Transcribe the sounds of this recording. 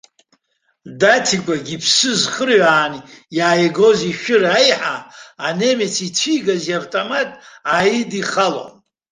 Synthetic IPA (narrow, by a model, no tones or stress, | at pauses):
datʰikʷʼaɡʲipʰsɨzχərʕaːnjaːjɡo̞ziʃᶣɪɾaajħaːne̞met͡sʰit͡sʰijɡaziavtʼomatʼajidiχalo̰n